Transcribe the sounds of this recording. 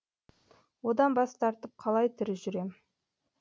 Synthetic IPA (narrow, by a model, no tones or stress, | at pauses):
wo̞d̪ɑnbɑst̪ʰɑɾt̪əp̚qʰɑlˠɑjt̪ʰɪɾɪʒʏɾe̞m